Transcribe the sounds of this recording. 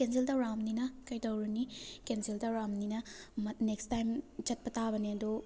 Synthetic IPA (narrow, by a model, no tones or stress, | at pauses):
kensiltɐɾamninɐkɐjtɐwɾunikensildɐwɾamninɐmɐnekstajmd͡ʒɐt̚pɐtabɐneɐdo